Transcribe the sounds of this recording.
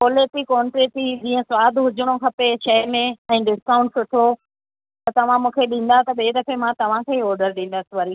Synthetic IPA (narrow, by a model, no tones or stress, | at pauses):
poːleːʈikɔːɳʈɾeːʈid͡ʑĩːə̃swaːd̪ʱɦʊd͡ʑʱʊɽ̃okʰɐpeʃɐɪmẽɛ̃ːɖɪskaːʊ̃ɳʈsʊʈʰo | t̪ɐt̪ɐʋ̤ãmũːkʰeɗĩːn̆d̪at̪ɐɓeːɾɐfemãt̪ɐʋ̤ãkʰeːiɔːɾɖəɾɗĩːn̆d̪asɪʋɐɾi